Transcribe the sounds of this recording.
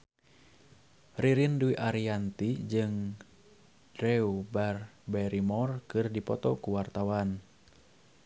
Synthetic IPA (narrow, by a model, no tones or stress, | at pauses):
riɾinduiʔaɾiant̪id͡ʒɨŋ | d̥ɾɛubarbɛɾimɔrkɨrdipɔt̪ɔkuwart̪awan